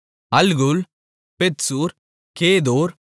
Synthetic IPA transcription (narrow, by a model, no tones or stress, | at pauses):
ɐlɡʊl | pet̪suːɾ | keːðoːɾ